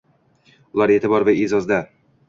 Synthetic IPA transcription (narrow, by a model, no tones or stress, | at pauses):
ʊlˠaɾet̪ɪbɒɾvaezɒzd̪a